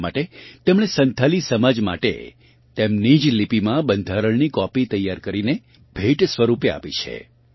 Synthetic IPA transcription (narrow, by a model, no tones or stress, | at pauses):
ma̰ʈet̪emɽ̃esənt̪ʰalisəmad͡ʒma̰ʈḛ | t̪emnid͡ʒlipimãbənd̪ʱaɾəɭnikɔpit̪əjːaɾkəɾine | bʱeʈsʋəɾupea̰pit͡ʃʰḛ